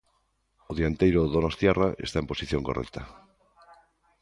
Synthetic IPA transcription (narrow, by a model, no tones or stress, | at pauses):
oðiant̪ejɾoðonost̪jɛraʔest̪aemposiθjoŋkorɛ̰kt̪ɐ